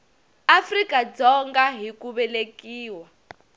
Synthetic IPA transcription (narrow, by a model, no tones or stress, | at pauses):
afrikad͡zɔŋɡaɦikuβɛlekiːwa